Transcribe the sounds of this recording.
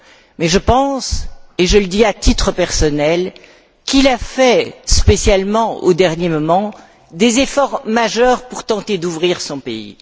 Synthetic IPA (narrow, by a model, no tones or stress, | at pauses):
mɛʒəpɑ̃seʒələd̪iat̪it̪χəpɛʁsɔnɛl | kilafɛspesjalmɑ̃o̰d̪ɛʁnjemɔmɑ̃ | d̪ezefɔʁmaʒœʁpuʁt̪ɑ̃t̪ed̪uvʁiʁsɔ̃peḭ